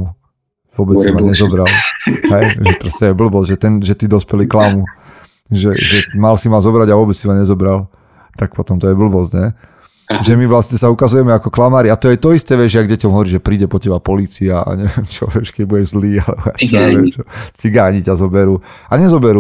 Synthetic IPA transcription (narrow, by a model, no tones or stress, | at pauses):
u | ʋʊɔbɛt͡sːimaɲɛzɔbɾalɦɛjʒɛpɾɔscɛjɛbl̩bɔzʒɛt̪ɛnʒɛt̪id̪ɔspɛliklamu | ʒɛʒɛmalsimalzɔbɾaɟaʋʊɔbɛt͡ssimaɲɛzɔbɾal | t̪ak̚pɔt̪ɔmt̪ɔjɛbl̩bɔzɟɲɛ | ʒɛmiʋlasɲɛsaukazujɛmɛakɔklamaːɾiat̪ɔjɛt̪ɔist̪ɛʋɛʒɪaɡɟɛcɔmɦɔʋɔɾiːʒɛpɾiːɟɛpɔcɛbapɔliːt͡siaa̰ɲɛʋɛmt͡ʃɔ̰ʋɛʃkɛɟbuɟɛʒzliːalɛ̰bɔa̰t͡ʃɔɛɛmt͡ʃɔt͡siɡaːɲiɟazɔbɛɾuː | aɲɛzɔbɛɾu